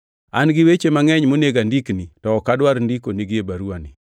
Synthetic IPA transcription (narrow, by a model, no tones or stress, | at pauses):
anɡɪwet͡ʃemaŋɛɲmoneɡandiknitɔːkadwaɾndikoniɡɪebaɾuanɪ